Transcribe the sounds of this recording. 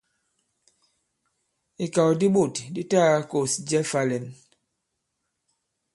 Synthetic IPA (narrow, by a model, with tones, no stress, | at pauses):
i˨ka˨wdi˦ɓo˦˨tdi˦taː˦ko˨sd͡ʒɛ˦fa˦lɛ˨n